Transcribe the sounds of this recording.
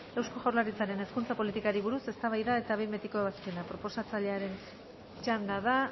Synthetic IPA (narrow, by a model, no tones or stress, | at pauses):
e̞wsko̞ʝawɾlaɾit͡saɾe̞ne̞skunt͡sapo̞lit̪ikaɾiβ̞uɾuse̞st̪aβajðae̞t̪aβembet̪iko̞βasienapɾo̞po̞sat͡saʎe̞aɾe̞n | t͡ʃand̪aða